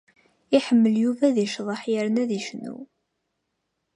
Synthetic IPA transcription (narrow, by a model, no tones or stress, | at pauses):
iħəmːəljuvæðiʃðˤəħjəɾnæðiʃnṵ